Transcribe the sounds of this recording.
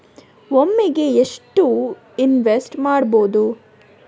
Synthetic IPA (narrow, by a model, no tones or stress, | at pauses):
omːeɡe̞eʂʈu | inʋesʈmaːɽboːd̪u